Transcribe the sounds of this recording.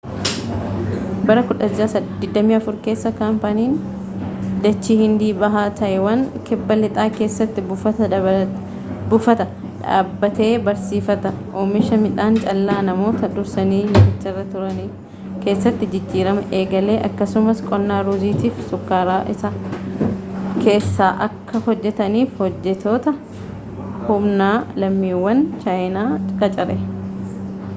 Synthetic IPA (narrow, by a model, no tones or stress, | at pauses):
bɐɾɐkʊᶑɐd͡ʒːaːsɐd̪ɪd̪ːɐmiːɐfʊɾke̞ːsːɐkaːmpɐniːn | d̪ɐt͡ʃːiːhɪnd̪iːbɐɦaːt̪ʰɐʔɛwɐnkɛbːɐlɪt̪ʼaːke̞ːsːɐt̪ːɪɐɐ | bʊfɐt̪ɐ | ᶑa̰ːbːɐt̪e̞ːbɐɾsiːfɐt̪ɐʔoːmɪʃɐmɪᶑaːnt͡ʃʼɐlːaːnɐmo̞ːt̪ɐd̪ʊɾsɐniːmɐmɪt͡ʃːɐrːɐt̪ʊɾɐni | ke̞ːsːɐt̪ːɪd͡ʒɪd͡ʒːiːɾɐmɐʔe̞ːɡɐle̞ːʔɐkːɐsʊmɐskʼɔnːaːɾuːziːt̪iːfsʊkːaːɾaːʔɪsaː | kʰe̞ːsːaːʔɐkːɐhɔd͡ʒːɛt̪ɐniːfhɔd͡ʒːɛt̪ʰoːt̪ɐ | hʊmnaːlɐmːiːwːɐnt͡ʃaːjnaːkʼɐt͡ʃʼɐɾɛ